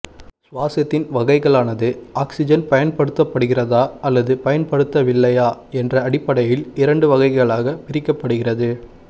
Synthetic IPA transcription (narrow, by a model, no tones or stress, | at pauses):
sʊʋaːsɐt̪ːɪnʋɐɣɐɪɣɐɭaːnɐðɯaːksɪd͡ʒɐnpɐjɐnpɐɽɯt̪ːɐpːɐɽɯɣɪrɐðaːɐlːɐðɯpɐjɐnpɐɽɯt̪ːɐʋɪlːɐjaːɛndrɐɐɽɪpːɐɽɐjɪlɪɾɐɳɖɯʋɐɣɐɪɣɐɭaːɣɐpɪɾɪkːɐpːɐɽɯɣɪrɐðɯ